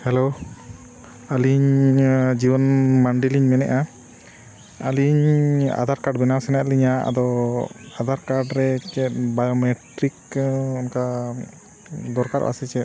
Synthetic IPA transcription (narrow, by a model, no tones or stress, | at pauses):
hɛlo | aliɲ | d͡ʒibɔnmaɳɖiliɲmɛnɛ̰ʔa | aliɲa̰d̪aɾkaɾɖ̚bɛnawsɛnaliɲaʔa̰d̪ɔad̪ʱaɾkaɖɾɛt͡ʃɛt̪̚bajomɛʈɾikɔnka | d̪ɔɾkaɾʔʔa̰sɛt͡ʃɛt̪̚